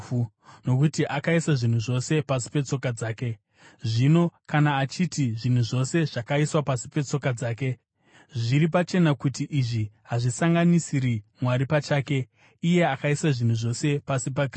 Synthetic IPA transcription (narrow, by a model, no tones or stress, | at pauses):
no̞k̬utiʔakaisaʐin̤uʐo̞se̞pasi̥pe̞t͡so̞kad͡zaːke̞ | ʐino̞kanaːt͡ʃitiʐin̤uʐo̞se̞ʐ̥akaiswapasi̥pe̞t͡so̞kad͡zaːke̞ | ʐiɾip̬at͡ʃe̞nakutiʔiʐiɦaʐisaŋɡanisiɾimwaɾipat͡ʃaːke̞ | ije̞akaisaʐin̤uʐo̞se̞pasipakr